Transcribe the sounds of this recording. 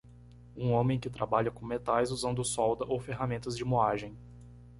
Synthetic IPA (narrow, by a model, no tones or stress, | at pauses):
ũõmẽj̃kɪt̪ɾʔabaʎɐkõmet̪ajzuzɐ̃nd̪ʊsɔwd̪ɐʔowfeɦamẽnt̪ɐzd͡ʒɪmoaʒẽj̃